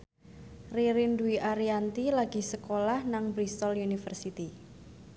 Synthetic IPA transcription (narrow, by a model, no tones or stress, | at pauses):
riɾinduiʔaɾiant̪ilaɡi̤səkolahnaŋbɾist̪ɔljunifərsit̪i